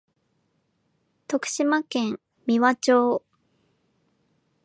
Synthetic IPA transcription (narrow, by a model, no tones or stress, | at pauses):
t̪o̞kɯ̟̥ɕimakẽ̞m | mʲiβat͡ɕoː